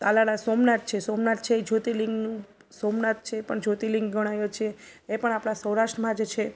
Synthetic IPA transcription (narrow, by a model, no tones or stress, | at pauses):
alaɽasomnat̪̚t͡ʃʰesomnat̪̚t͡ʃʰed͡ʒʱot̪iliŋɡn | somnat̪̚t͡ʃʰepəɳd͡ʒʱot̪iliŋɡɡəɽ̃ajot͡ʃʰeːpəɳapɽ̃asəwɾaʃʈɾəmãd͡ʒet͡ʃʰe